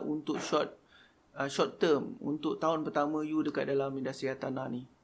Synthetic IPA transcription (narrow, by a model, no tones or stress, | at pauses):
ʔunt̪ʊk̚ʃɔt̪̚ | əʃɔt̪ːəmṵnt̪ʊk̚t̪aʊnpərt̪amə̃judəka̰t̪̚dalamidasiat̪anani